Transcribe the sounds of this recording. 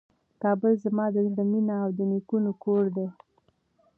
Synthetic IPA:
kɑbəlzamɑd̪əzɽəminaːwd̪ənikunokoɾd̪e

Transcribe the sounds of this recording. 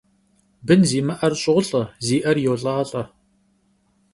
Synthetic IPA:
bɨnziːmɐʔɐrɕʼɪʁʷʊɬʼɐziːʔɐrjoːɬʼɐʁɐɬʼɐ

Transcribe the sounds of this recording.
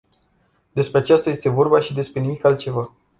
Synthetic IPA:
d̪e̞spɾe̞at͡ʃast̪aje̞st̪evo̞rbaʃid̪e̞spɾe̞nimikalt̪̚t͡ʃe̞va

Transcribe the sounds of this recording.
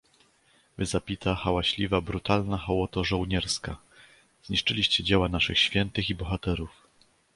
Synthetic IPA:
vɘzapʲit̪axawaɕlʲivabɾut̪alnaxawɔt̪ɔʐɔwɲɛɾska | z̥ɲiʂt͡ʂɘlʲiɕt͡ɕɛd͡ʑɛwanaʂɘxɕfʲjɛnt̪ɘxibɔxat̪ɛɾuf

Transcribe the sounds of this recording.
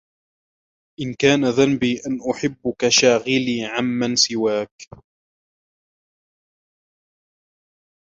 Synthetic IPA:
ʔɪnkaːnaðanbiːʔanʔʊħɪbːʊkaʃaːɣɪliːʕamːansɪwaːk

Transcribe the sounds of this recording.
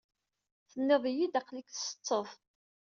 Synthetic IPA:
θənːeðˤijid̪æqlikθsə̥t͡sˤːəðˤ

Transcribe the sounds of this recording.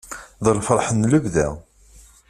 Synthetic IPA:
ðəlfəɾˤħənːləvðæ̰

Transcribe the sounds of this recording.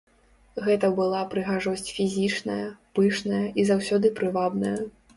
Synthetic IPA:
ɣɛt̪ɐbɨlˠapɾɨɣaʐɔsʲt͡sʲfʲizʲit͡ʂnɐjɐpɨʂnɐjɐʔizawsʲɔd̪ɨpɾɨvab̪nɐjɐ

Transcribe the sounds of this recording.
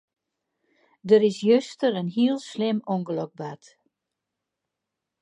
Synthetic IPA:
dəɾɪsjøstəɾənɦiəlˠslɪmɔŋɡəløɡ̚bat

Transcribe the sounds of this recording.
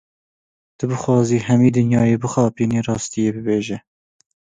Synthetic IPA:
t̪ɨbɨxwɑːziːhɛmiːd̪ɨnjɑːjeːbɨxɑːpiːniːrɑːst̪ɨjeːbɨbeːʒɛ

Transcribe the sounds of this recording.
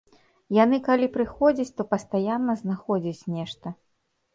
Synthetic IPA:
janɨkalʲipɾɨxɔd͡zʲit͡sʲt̪ɔpɐst̪ajanːɐznaxɔd͡zʲit͡sʲnʲɛʂt̪ɐ

